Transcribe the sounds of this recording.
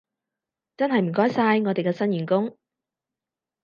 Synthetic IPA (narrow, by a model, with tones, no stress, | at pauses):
t͡sɐ˥nɦɐ˨jm̩˨˩kɔː˥jsaː˧jŋɔ˨˧t̪e˨jkɛː˧sɐ˥njyː˨˩nkʊ˥ŋ